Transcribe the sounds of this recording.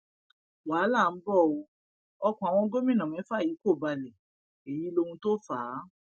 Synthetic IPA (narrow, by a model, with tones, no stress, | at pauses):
waː˨˦la˦˨n̩˦bɔ˦˨o˧ | ɔ˧kɔ̃˨a˨w̃ɔ̃˧ɡo˦mĩ˦˨nã˨mɛ̃˨˦fa˦˨ji˨˦ko˦˨ba˧lɛ˨ | e˨ji˨˦lo˧hũ˧to˦faː˨˦